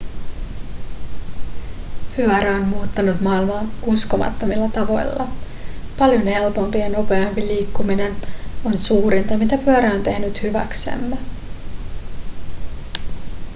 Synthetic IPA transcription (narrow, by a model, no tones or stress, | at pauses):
pyœɾæonmuːt̪ːɑnut̪mɑːilmɑːnusko̞mɑ̰t̪ːo̞milːɑt̪ɑʋo̞̰jlːɑ̰ | pɑljo̞nhe̞lpo̞mpijɑno̞pe̞ɑmpiliːkːumine̞no̞nsuːɾint̪ɑmit̪æpyœɾæo̞nt̪e̞hnyt̪hyʋæ̰ksḛmːe